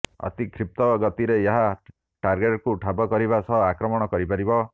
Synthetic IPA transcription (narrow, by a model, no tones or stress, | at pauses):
ɔ̰t̪ikʰɾip̚t̪ɔɡɔt̪iɾeeɦa | ʈaɾɡeʈ̚kuʈʰabɔkɔɾibasɔɦakɾɔmɔɽ̃ɔkɔɾipaɾibɔ